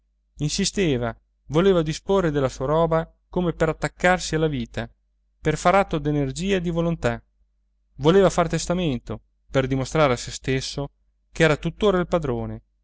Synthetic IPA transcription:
insist̪eːva | voleːvad̪isporːed̪elːasuːaɾɔːba | komepeɾat̪ːakːarsialːaviːt̪a | perfaɾat̪ːod̪enerd͡ʒiːaed̪ivolont̪a | voleːvafart̪est̪ament̪o | perd̪imost̪ɾaːɾeasest̪esːo | kɛːɾat̪ut̪ːoːɾailpad̪ɾoːne

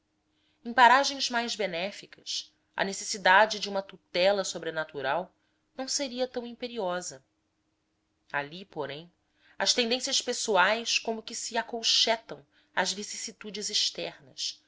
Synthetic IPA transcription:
ẽpaɾaʒẽj̃zmajzbenɛfikʰɐs | ɐ̰nesesid̪ad͡ʒɪd͡ʒɪũmɐt̪ut̪ɛlɐsobɾenat̪uɾaw | nɐ̃w̃seɾiɐt̪ɐ̃w̃ĩpeɾiɔzɐ | alipoɾẽj̃ | ɐʃt̪ẽnd̪ẽsiɐʃspesuajskõmʊkɪsiakowʃɛt̪ɐ̃w̃ | ɐzvisisit̪ud͡ʒɪziʃt̪ɛɾnɐ̰s

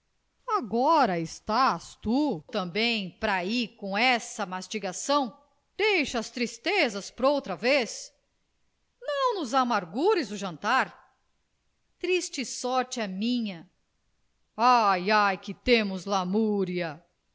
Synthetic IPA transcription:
aɡɔɾɐɪst̪ast̪ut̪ɐ̃mbẽj̃pɾaikõw̃ɛsɐmast͡ʃiɡasɐ̃w̃ | d̪̥ejʃɐːst̪ɾist̪ezɐspʊɾowt̪ɾɐves | nɐ̃w̃nʊzamaɾɡuɾɪzʊʒɐ̃nt̪aɾ | t̪ɾist͡ʃɪsɔɾt͡ʃɪɐmĩɲɐ | ajajkɪt̪ẽmʊzlamuɾiɐ

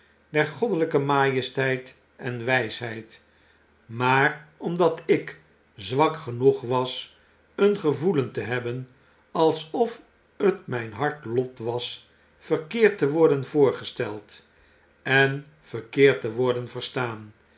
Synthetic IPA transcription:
dɛrχɔdələkəmaːjəstɛjt | ɛnʋɛjsɦɛjt | maːrɔmdɑtɪk | zʋɑkχənuχʋɑs | ənχəvuləntəɦɛbən | ɑlˠsɔf | ətmɛjnɦɑɹtlɔtʋɑs | fəkɪːɹtəʋɔɹdənvʊːɹχəstɛlˠt | ɛn | v̥əʁkɪːɹtəʋɔɹdənvəɹstaːn

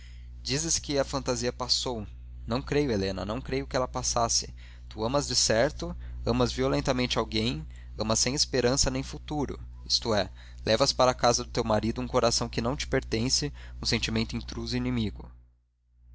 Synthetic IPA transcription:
d͡ʒizɪskɪɐfɐ̃nt̪aziɐpasow | nɐ̃w̃kɾejʊelẽnɐ̰nɐ̃w̃kɾejʊkɪɛlɐpasasɪ̥ | t̪uɐ̃mɐzd͡ʒɪsɛɾt̪ʊɐ̃mɐzviolẽnt̪ɐmẽnt͡ʃɪawɡẽj̃ | ɐ̃mɐsẽj̃ɪspeɾɐ̃sɐnẽj̃fut̪uɾʊ̰ | ist̪ʊɛ | lʔɛvɐspaɾɐakazɐd̪ʊt̪ewmaɾid̪ʊũkoɾasɐ̃w̃kɪnɐ̃w̃t͡ʃɪ̥peɾt̪ẽsɪũsẽnt͡ʃimẽnt̪ʊĩnt̪ɾuzʊinimiɡʊ

